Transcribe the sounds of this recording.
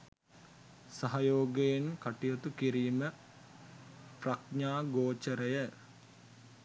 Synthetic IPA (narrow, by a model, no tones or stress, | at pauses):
saɦɐjoːɡejenkaʈijot̪ukiɾiːmə | prɐk̚ɲaːɡoːt͡ʃəɾəjə